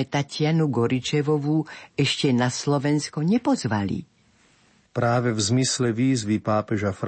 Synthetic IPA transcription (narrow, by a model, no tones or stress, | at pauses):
ɛt̪acɪanuɡɔɾit͡ʃɛʋɔʋuɛʃcɛnaslɔʋɛnskɔɲɛpɔzʋalḭ | pɾaːʋɛvzmislɛʋiːzʋipaːpɛʒafɾ